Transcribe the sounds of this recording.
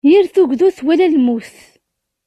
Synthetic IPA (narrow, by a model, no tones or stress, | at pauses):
jiɾθuɡʷðuθwælælmuθ